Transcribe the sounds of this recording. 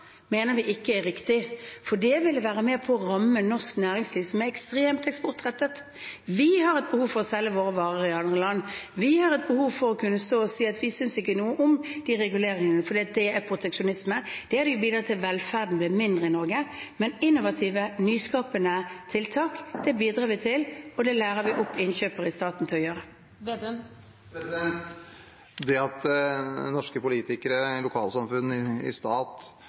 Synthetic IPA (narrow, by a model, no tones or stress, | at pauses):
meːnəʋɪʔɪkːəɛɾɪkt̪ɪfɔd̪ɛʋɪlːəʋæːɾəmeːpʰɔːʁɑmːənɔʁsknæːɾɪŋsliːʋsɔmæɛkst̪ʁeːmt̪ɛkspʊʁt̪ʁɛt̪ːət̪ | ʋɪhɑɾɛt̪̚bəhuːʋfɔʁɔsɛlːəʋoːɾəʋɑːʁəɾəɪɑnd̪ʁəlɑnːʋɪhɑɾɛt̪̚bəhuːʋfɔɾɔkʉnːəst̪oːɔsiːɑt̪ʋɪsʏnsɪkːənuːəʔʊmd̪̥iːʁɛɡʉleːɾɪŋənəfɔɾd̪iːɑt̪̚d̪ɛæɾpʰʁʊt̪ʰɛkʂʊnɪsməd̪̥ɛæɾd̪ɛjʊbiːd̪ɾɑt̪ʰɪlʋɛlfæʁd̪n̩blɪːmɪnd̪ʁəɪnɔɾɡəmɛnɪnːʊʋɑt̪ʰiːʋənyːskɑːpənət̪ʰɪlt̪ʰɑːkd̪̥ɛbiːd̪ɾɑːʋɪt̪ʰɪlɔd̪ɛlæːɾəʋɪʔɔpːɪnçøːpəɾɪst̪ɑːt̪n̩t̪ʰɪlɔjøːɾə | d̪ | pɾɛsd̪ɛnt̪ | d̪ɛɑt̪nɔʂkəpʊliːt̪ɪkəɾəlʊkʰɑːlsɑmfʉnːɪɪ̰st̪ɑːt̪